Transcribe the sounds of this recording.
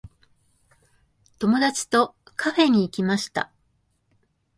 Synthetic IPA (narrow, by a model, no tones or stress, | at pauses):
t̪o̞mo̞d̪at͡ɕi̥t̪o̞kʰaɸe̞ɲ̟iːkʲimaɕi̥t̪a̰